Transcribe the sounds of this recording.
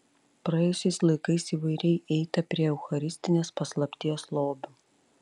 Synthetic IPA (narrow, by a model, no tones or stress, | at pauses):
pɾɐjɛjʊsʲɛɪslˠɐɪkɐɪsiːʋɐɪɾʲɛɪʔɛɪt̪ɐpʲɾʲiɛɛʊxɐɾʲɪsʲt̪ʲɪnʲeːspɐslˠɐpʲt̪ʲiːjoːslˠoːbʲo